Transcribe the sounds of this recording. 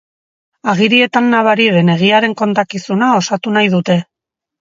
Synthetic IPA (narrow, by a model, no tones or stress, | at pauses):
aɣ̞iɾie̞t̪anːaβaɾiðe̞ne̞ɣ̞iaɾe̞ŋko̞nt̪akisunao̞sat̪unajðut̪e̞